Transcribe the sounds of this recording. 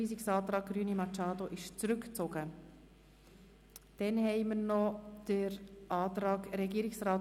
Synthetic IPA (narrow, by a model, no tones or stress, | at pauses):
iːsiksɑːt̪ɾɑːk̚ɡɾyːnimɑt͡ʃɑːd̪oʔɪʃt͡sɾʉkt͡soɡ̥ə | d̥ɛnhɛɪməɾnɔd̥əɾʔɑːtɾɑːɡɾɛɡiːɾɪksrɑːt